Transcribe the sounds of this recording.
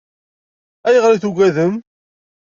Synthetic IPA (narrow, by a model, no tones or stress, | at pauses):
æjəʁɾiθuɡʷæðəm